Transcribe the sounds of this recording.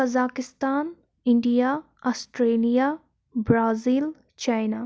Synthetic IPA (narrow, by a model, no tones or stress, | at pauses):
ɐzaːkɪst̪aːn | ɪɳɖija | asʈɾeːlijaː | bɾaːziːl | t͡ʃaːjnaː